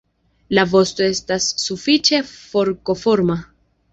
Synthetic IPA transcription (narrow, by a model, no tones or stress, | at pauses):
lavo̞sto̞e̞stasːufit͡ʃe̞fo̞ɾko̞fo̞ɾma